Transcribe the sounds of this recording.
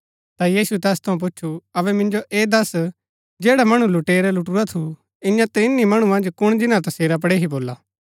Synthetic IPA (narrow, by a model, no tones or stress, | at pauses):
t̪ajiːsut̪ɛːst̪ʰɐũp̬ʊːt͡ʃʰuɐʋɛmɪ̃nd͡ʒoʔeːd̪ɐs | d͡ʒeːɽamɐɽ̃ũlʊʈeːɾɛlʊʈuɾat̪ʰu | ɪ̃jãt̪ɾĩnːimɐɽ̃ũmɐ̃nd͡ʒkʊɽ̃d͡ʒɪnãt̪ɐseːɾap̬ɐɽeɦiboːlaː